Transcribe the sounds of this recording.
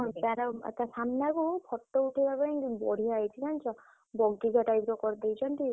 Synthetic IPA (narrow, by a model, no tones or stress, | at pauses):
ɦɔjt̪aɾɔ̰t̪asamnakupʰɔʈːɔuʈʰibabaj̃bɔ̰ɽ̤iajt͡ʃʰikant͡ʃʰɔ | bɔɡːiɡaʈajpɾɔkɔɾd̪ejt͡ʃʰɔnt̪i